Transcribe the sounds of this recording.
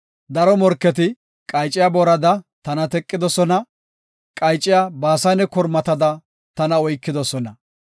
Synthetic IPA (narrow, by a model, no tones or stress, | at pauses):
d̪ɐɾɔmɔɾkːɛt̪̬ɪ | kʼɐjt͡ʃʼːɪjabɔɾɐd̪ɐt̪ɐnɐt̪ɛkʼːɪd̪ɔsɔnɐ | kʼɐjt͡ʃʼːɪjabaːsɐnɛkɔɾmɐt̪ɐd̪ɐ | t̪ɐnɐɔjkːɪd̪ɔsɔnɐ